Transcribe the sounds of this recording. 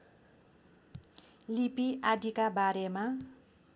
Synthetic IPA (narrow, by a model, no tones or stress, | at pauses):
lipiad̪ikabaɾema